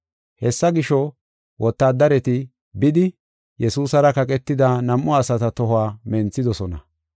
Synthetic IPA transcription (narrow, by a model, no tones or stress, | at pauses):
hɛsːɐɡɪʃɔ | wʔɔt̪ːaːd̪ɐɾɛt̪ɪ | bɪd̪ɪ | jɛsuːsɐɾɐkɐkʼɛt̪ːɪd̪ɐnɐmːɔɐsɐt̪ɐt̪ɔɦʊaːmɛnt͡sːɪd̪ɔsɔnɐ̰